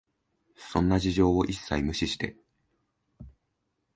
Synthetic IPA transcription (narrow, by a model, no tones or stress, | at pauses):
sõ̞nːaʑiʑo̞ːoʔisːaimɯ̟ɕiɕi̥t̪e̞